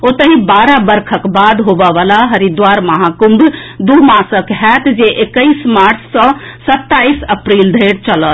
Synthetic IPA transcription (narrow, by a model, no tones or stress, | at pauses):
ot̪əɦibaɾabəɾkʰəkbad̪ɦobəʋalaɦəɾid̪waɾməɦakumbd̪umasəkɦɛt̪d͡ʒeʔekəjsmaɾt͡ʃʰsə̃sət̪ːaisəpɾild̪ʱəɾt͡ʃələt̪